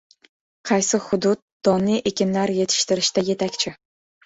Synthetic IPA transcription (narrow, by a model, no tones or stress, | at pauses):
qʰɑjsɪhʊd̪ʊd̪̚d̪̥ɒniʔe̞kʲɪnlaɾje̞t̪ʰɪ̥ʃt̪ɪɾɪʃt̪aje̞t̪ʰakʲt͡ʃʰɪ